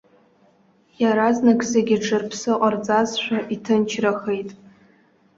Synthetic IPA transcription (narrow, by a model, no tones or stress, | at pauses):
jaɾaznakʼseɡʲɪʈ͡ʂɨrpʰsɨqʼard͡zʼazʃʷᶣaʔitʰɨnt͡ʃʰraxe̞jtʼ